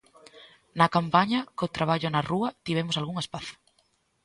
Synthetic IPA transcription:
nɐkampaɲɐkot̪ɾaβ̞aʎʊnaruɐt̪iβ̞emosalɣuŋespaθ

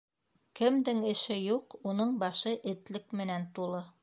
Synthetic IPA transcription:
kɘ̆md̪ɘŋɘ̆ʃɘjuqunɤɴbɑʃɤʔɘ̆t̪lɘkmɘ̆nænt̪ulˠɤ

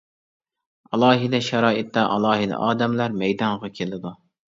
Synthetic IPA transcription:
ɑlˠɑːɦid̪ɛʃɑɾɑːit̪ːɑʔɑ̰lˠɑːɦid̪̰ɑ̰ːd̪ɛmlæɾmɛjd̪ɑŋʁɑkʲʰelɪd̪u

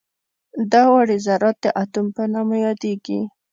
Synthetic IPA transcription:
d̪ɑwaɽizaɾɑt̪̚d̪əʔat̪umpənamajɑd̪eɡi

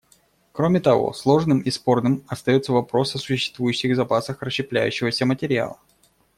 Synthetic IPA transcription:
kɾomʲɪt̪ɐvo̰slˠo̞ʐnɨmispo̞rnɨmɐst̪ɐjo̞t̪səvɐpɾo̞sɐsʊɕːɪ̥st̪vujʉɕːɪɣzɐpasəxrəɕːɪplʲæjʉ̰ɕːɪvəsʲəmətʲɪɾʲɪa̰lˠə

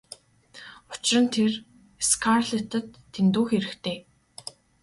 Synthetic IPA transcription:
ʊ̥t͡ɕrə̆nt̪ʰer | skʰarɮet̪ə̆t̪ʰːent̪uːxeɾɘ̆kt̪ʰeː

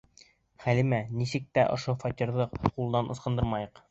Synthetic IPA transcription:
χælimænisɘk̚t̪æʔŏ̰ʃofɒt̪ʲiɾðɤqulˠd̪ɑnʔŏsqɤ̆nd̪ɤɾmɑjɤq

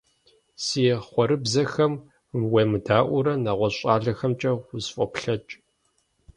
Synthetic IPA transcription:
sijɛχʷɔɾɨbzɐxɐm | wemɨdʰaːʔʷʊɾɐnaːʁʷɔɕʼaːɮɐxɐmt͡ʃʼɐʁʷʊzfʼɔpɬɐt͡ʃʼ

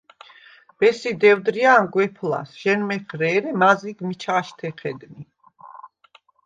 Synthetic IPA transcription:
b̥ɛsid̪ɛwd̪ɾianɡwɛpʰla̰sʒ̥ɛnmɛχɾɛːɾɛmaziɡmit͡ʃʰaʃt̪ʰɛχɛd̪mi

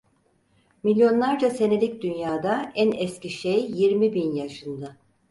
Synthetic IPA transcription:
milʲjo̞nlˠaɾd͡ʒase̞nelʲic̚d̪ynjaːd̪aænɛsciʃejːiɾmibinjaʃɯnd̪a

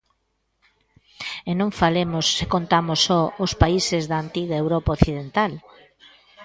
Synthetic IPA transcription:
enõɱfalemʊsːekont̪amosɔospaisɪzðaːnt̪iɣaewɾɔpaoθiðent̪al

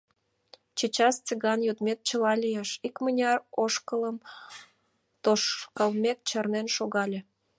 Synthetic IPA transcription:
t͡ɕet͡ɕɑst͡sʲəɣɑnjut̪met̪̚t͡ɕəlɑlʲijeʃikmənʲɑroʃkələm | t̪oʃkəlmʲek̚t͡ɕɑrnenʃoɣɑlʲe

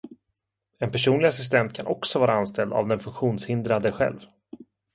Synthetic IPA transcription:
ɛnpæʂuːnlɪɡas̬ɪs̬t̪ɛnt̪kʰanʔɔksɔvɑːɾaanst̪ɛld̪a̰vd̪ɛnfɵŋkɧuːnshɪnd̪ɾad̪əɧɛ̰lv

